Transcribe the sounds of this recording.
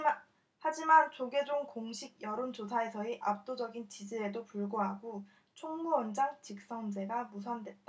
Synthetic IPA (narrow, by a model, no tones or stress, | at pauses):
had͡ʑimant͡ɕoɡe̞d͡ʑoŋkoŋɕʰiɡ̚jʌɾond͡ʑosʰae̞sʰʌeʔap̚t͈od͡ʑʌɡint͡ɕid͡ʑiɾe̞dopuɭɡoɦaɡo | t͡ɕʰoŋmuʌnd͡ʑaŋt͡ɕik̚s͈ʌŋd͡ʑe̞ɡamus̬ʰʌndwe̞t̚t͈a